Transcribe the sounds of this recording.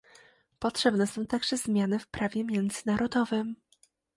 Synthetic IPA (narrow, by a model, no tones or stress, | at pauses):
pɔtʂɛbnɛsɔ̃w̃t̪aɡʐɛzmʲjanɘfpɾavʲjɛmʲjɛnd̪zɘnaɾʔɔd̪ɔvɘm